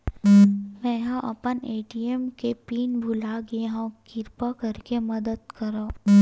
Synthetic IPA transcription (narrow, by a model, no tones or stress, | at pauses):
mɛ̃ːɦãʔɐpəneːʈiemkepiːnbʱʊlaɡeɦãkɪɾpakɐɾkemɐd̪əd̪kɐɾõː